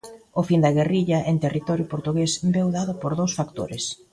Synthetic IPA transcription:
ʊfind̪ɐɣeriʎɐʔeŋt̪erit̪ɔɾjʊpoɾt̪uɣesbewðaðʊpoɾðowsfakt̪o̰ɾɪs

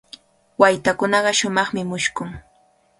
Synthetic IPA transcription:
wajt̪akʊnɑɢɑʃʊmɑχmɪmʊʃkʊŋ

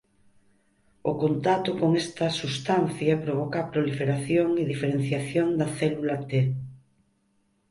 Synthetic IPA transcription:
okont̪at̪okoŋest̪ɐsust̪anθjɐpɾoβɔkaːpɾolifeɾaθjoŋeðifeɾen̟θjaθjoŋd̪ɐθɛlulat̪e

